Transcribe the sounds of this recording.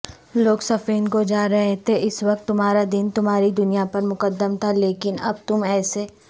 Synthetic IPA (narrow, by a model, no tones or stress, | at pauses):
loːɡsɐfeːnkod͡ʒaːɾɐɦet̪ʰeʔɪswɐk̚t̪ːʊmɦaːɾad̪ɪnt̪ʊmɦaːɾid̪ʊnijapɐɾmʊkəd̪ːəmt̪ʰaleːkɪnɐ̰b̚t̪ʊmɛːse